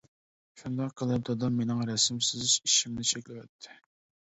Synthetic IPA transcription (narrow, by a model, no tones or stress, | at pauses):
ʃund̪ɑqqʰːəlˠɨp̚d̪ɑd̪ɑmːenɪŋɾɛsɪmsɪziʃimnɪt͡ʃʰɛkʲlɪwɛt̪ʰːɪ̥